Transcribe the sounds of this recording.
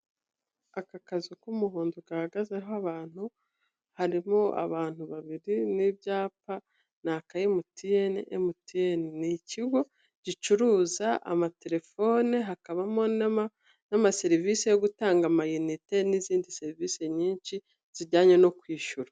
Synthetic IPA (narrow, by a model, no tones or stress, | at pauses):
akakazikumuɦuːnduɡahaɡazeɦoaβaːn̥hu | haɾimoa̰βaːn̥huβaβiɾinibjaːpa | nakajemutijeniʔemutijeniniciɡo̞ | ɟ̥it͡ʃuɾuːzaa̰mate̞ɾe̞fo̞ːneɦakaβamo̞ | namase̞ɾiviːsejo̞ɡutaːŋɡamajunite̞niziːndiseɾivise̞ɲiːɲʃi | z̥iɟaːɲeno̞kwiːʃuɾa